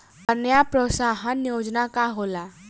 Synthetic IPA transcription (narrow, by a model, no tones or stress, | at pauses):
ənjapɾoːsaɦənjod͡ʒnakaɦola